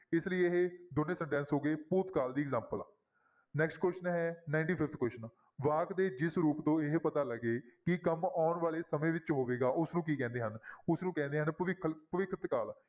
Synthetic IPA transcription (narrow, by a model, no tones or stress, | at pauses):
ɪsləiːeɦed̪onːẽːsə̃ɳʈɛ̃ːnsɦoːɡeːpuːt̪kaːld̪iːɡzãːmpəla̰ː | nɛːksʈkwɛːʃənɦɛːnaːɪɳʈiːpʰɪft̪ʰkwɛːʃən | ʋaːkd̪eːd͡ʒɪsɾuːpt̪õːɪɦpət̪aːləɡeːkɪkəmaːnʋaːɭeːsəmẽːʋɪt͡ʃɦoːʋeːɡaːʔʊsnũːkiːkɛ̃ːnd̪eːɦənʊsnũːkɛ̃ːnd̪eːɦənpəɪkʰpəʋɪkʰːət̪kaːl